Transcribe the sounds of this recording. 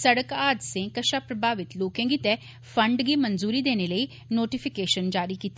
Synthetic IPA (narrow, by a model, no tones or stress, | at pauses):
səɽəkaːd̪sẽkəʃaːpɾəbʱaːʋɪt̪loːkẽːɡiːt̪ɛː | pʰə̃ɳɖɡiːmənzuːɾiːd̪eːneləiː | noːʈɪpʰɪkeːʃənd͡ʒaːɾiːkiːt̪ːi